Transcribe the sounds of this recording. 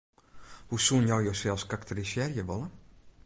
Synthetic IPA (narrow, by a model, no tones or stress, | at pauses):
husunjɔwjowsɛlˠskaktəɾisjɛrjəʋɔlˠə